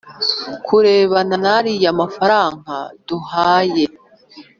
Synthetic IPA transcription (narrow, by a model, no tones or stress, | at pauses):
kʰuɾe̞ːβananaɾijamafaɾaːŋaduhaːje̞